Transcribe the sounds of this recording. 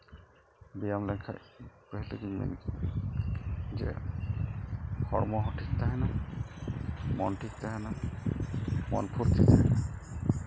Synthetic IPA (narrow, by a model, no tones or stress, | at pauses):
bijamlɛkʰa̰jpəɦilekiɲmḛnk | d͡ʒɛ̰ | kʰɔɹmɔɦɔʈʰik̚t̪ʰaɦɛna | mɔ̰nʈʰik̚t̪aɦɛna | mɔ̰npʰuɾt̪ʰit̪ʰaɦɛna